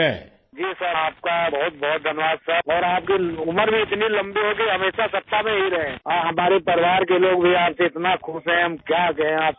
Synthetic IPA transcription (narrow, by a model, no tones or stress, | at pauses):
ɛ̃ | d͡ʒiːsəɾaːp̚kabɔɦʊt̪̚bɔʊt̪̚d̪ʱɐnʋaːd̪sɐɔːɾaːp̚kiʊməɾbʱiɪt̪nilɐ̃mbiɦoːɡəiɦɐmeːʃasɐt̪ːamẽɦiɾɐɦẽːɔːɾɦɐmaːɾepɐɾɪʋaːɾkeloːɡbʱiaːpseɪt̪nakʰʊsɦɛ̃ɦɐmkjaːk̬ɛɦẽaːp̚